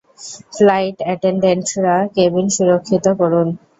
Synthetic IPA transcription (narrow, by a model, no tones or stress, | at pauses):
flajʈɛʈeɳɖeɳʈɾakebinʃuɾokʰːit̪okɔɾun